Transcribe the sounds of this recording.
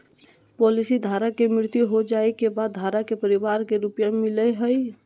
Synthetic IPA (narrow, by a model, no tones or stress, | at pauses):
pɔlisid̪ʱaɾakemɾɪɾt̪juɦod͡ʒaekebad̪̚ːʱaɾakepəɾibaɾkeɾupjamilɛɦəj